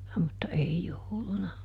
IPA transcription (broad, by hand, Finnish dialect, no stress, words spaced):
mutːɑ ei joulunɑ